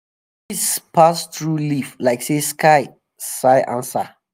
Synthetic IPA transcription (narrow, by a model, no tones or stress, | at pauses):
ispʰast̪ɹuliflaɪkseskʰaɪ | saɪʔã̰nsa